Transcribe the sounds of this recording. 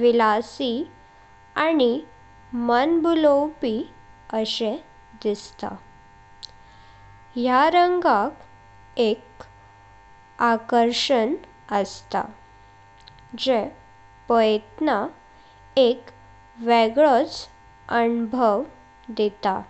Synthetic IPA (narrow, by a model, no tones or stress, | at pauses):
ʋilasi | ani | mənbulowpi | əɕe | d̪ist̪a̰ | ɦjaɾəŋɡak | ek | akəɾʂən | əst̪a̰ | d͡ʑe | pəjt̪na | ek | ʋeɡɭət͡s | ənbʱəʋ | d̪et̪a̰